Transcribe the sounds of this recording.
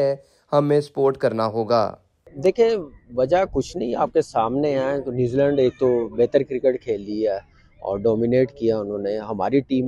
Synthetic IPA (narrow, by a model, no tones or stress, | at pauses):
ɛ | hɐmːẽspoːɾʈkɐɾnaɦoːɡa̰ː | d̪eːkʰieʋɐd͡ʒakʊt͡ʃʰnɐɦĩa̰ːp̚kesaːmneɛ̃t̪onjuːzilɛ̃ːɳɖeːk̚t̪obɛɦːt̪əɾkɾɪkeʈkʰeːld̪iɦɛː | ɔ̰ːɾɖɔːmɪneːʈkijaʊnɦõːneɦɐma̰ːɾiʈiːm